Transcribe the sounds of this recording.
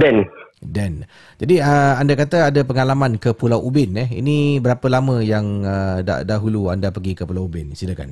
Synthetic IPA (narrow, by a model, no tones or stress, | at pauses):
dɛndɛn | d͡ʒadiəandakat̪əadapəŋalamãnkəpulawʔubɪnəhḭnĩbəɾapəlamə̃jaŋəda̰daɦuluandapəɡikəpulawubɪnsidaka̰n